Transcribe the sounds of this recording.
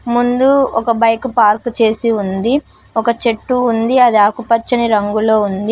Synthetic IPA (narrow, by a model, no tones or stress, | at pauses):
mund̪uɔkɐbɐjkupaːɾkt͡ʃe̞ːsiund̪i | ɔkɐt͡ʃe̞ʈːuːnd̪iɐd̪iaːkupɐt͡ʃːɐniɾɐŋɡulo̞ːund̪i